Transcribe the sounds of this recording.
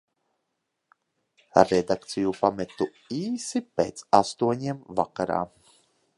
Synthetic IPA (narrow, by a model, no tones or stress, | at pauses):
ɾɛd̪akt̪sijupamɛt̪u | iːsipḛːt̪sast̪uɔɲiɛmvakaɾa̰ː